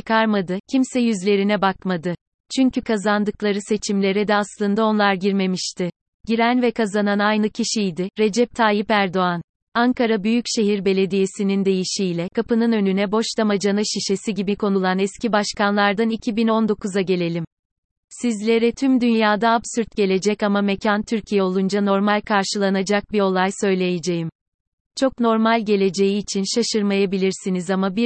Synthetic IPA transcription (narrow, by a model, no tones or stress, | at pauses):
t͡ʃɯ̥kʰaɾmad̪ɯcʰimsɛjyzlʲe̞ɾinɛbakmad̪ɯ | t͡ʃʰyɲcʰykʰazand̪ɯklˠaɾɯse̞t͡ʃʰimlʲe̞ɾɛd̪ɛaslˠɯnd̪ao̞nlˠaɾɟiɾme̞miʃt̪ʰɪ | ɟiɾænvɛkʰazananajnɯcʰiʃijd̪ɪɾe̞d͡ʒɛp̚t̪ʰaːjipæɾd̪o̞an | aŋkʰaɾabyjycʃe̞ɦiɾbe̞lʲe̞d̪ije̞sinind̪e̞jiʃijlʲɛkʰapɯnɯnø̞nynɛbo̞ʃt̪amad͡ʒanɯʃiʃe̞siɟibikʰo̞nulˠanɛscibaʃkanlˠaɾd̪anicʰibino̞nd̪o̞kuzaɟe̞lʲe̞lʲim | sizlʲe̞ɾɛt̪ʰymd̪ynjaːd̪aːbsyɾt̪̚ɟe̞lʲe̞d͡ʒɛcamamecʰant̪ʰyɾcʰijɛo̞lˠund͡ʒano̞ɾmalʲkʰaɾʃɯlˠanad͡ʒak̚biɾo̞lˠajsø̞jlʲe̞jed͡ʒe̞jim | t͡ʃʰo̞kno̞ɾmalʲɟe̞lʲe̞d͡ʒe̞jiːt͡ʃʰinʃaʃɯɾmajabilʲiɾsinizamabi